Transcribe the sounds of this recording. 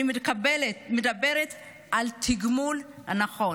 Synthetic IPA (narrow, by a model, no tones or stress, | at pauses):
imbmedabeʁet̪ | ʔalt̪ʰiɡmulha̰naχo̞